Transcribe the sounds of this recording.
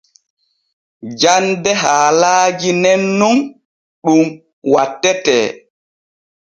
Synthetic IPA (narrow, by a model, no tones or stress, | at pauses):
d͡ʒandɛɦaːlaːd͡ʒinɛnːum | ɗum | watːɛtɛ̰ː